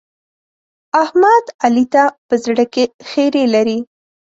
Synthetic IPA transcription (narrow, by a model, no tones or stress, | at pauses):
ahmad̪alit̪apəzɽəkexeɾelaɾi